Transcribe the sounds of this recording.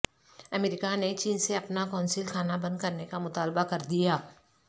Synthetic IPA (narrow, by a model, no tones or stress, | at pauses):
ɐmeːɾɪkanet͡ʃiːnseɐpnakɔ̃ːnsiːlkʰaːnabɐ̃nd̪̚kɐɾnekamʊt̪aːlbakɐɾd̪ijaː